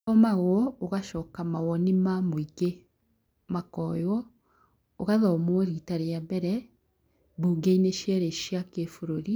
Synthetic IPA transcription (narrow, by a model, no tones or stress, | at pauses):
ɔmaɣwɔoɣaʃɔːkamawɔnimamoiɡe | makɔjwɔ | oɣaðɔmoɔɾitaɾeabɛɾɛ | buɡeineʃjɛɾeʃjakefoɾoɾi